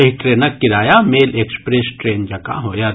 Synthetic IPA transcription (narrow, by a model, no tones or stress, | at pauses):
ɐɦiʈɾeːnəkːɪɾaːjameːleːkspɾesʈɾeːnd͡ʒɐka̰ɦoːja